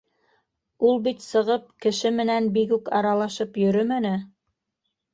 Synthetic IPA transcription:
ulˠbit̪sɤ̆ʁɤp̚kɘ̆ʃɘmɘ̆nænbikʉkɑɾɑlˠɑʃɤpjɵ̆ɾɵmænɘ

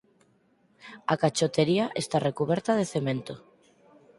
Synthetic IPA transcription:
akat͡ʃot̪eɾiaʔest̪arekuβ̞eɾt̪aðeθemẽnt̪o

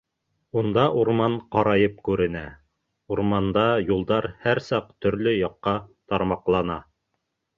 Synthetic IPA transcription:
und̪ɑʔuɾmɑɴqɑɾɑjɤp̚kʉɾɘ̆næ | uɾmɑnd̪ɑjulˠd̪ɑɾhæɾsɑqt̪ɵ̆ɾlɵjɑqːɑt̪ɑɾmɑqlˠɑnɑ

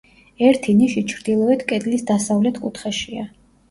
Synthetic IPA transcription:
ɛɾt̪ʰiniʃit͡ʃʰɾd̪ilˠɔɛt̪ʰkʼɛd̪ʼlisd̪asavlɛt̪ʰkʼut̪ʰχɛʃia

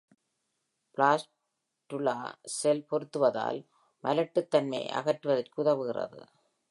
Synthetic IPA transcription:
plaːs | ʈɯla̰ːsɛlpɔɾɯt̪ːɯʋɐða̰ːl | mɐlɐʈːɯt̪ːɐnmɐ̰ɪʔɐ̰ɣɐʈːɯʋɐðɐrkɯʊðɐʋɯɣɪrɐ̰ðɯ̰

